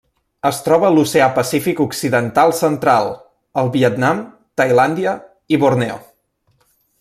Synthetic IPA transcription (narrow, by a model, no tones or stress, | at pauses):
əst̪ɾɔβəluseapəsifikuksiðənt̪alˠsənt̪ɾalˠ | əlˠβiət̪nam | t̪əjland̪iə | iβurnɛo̰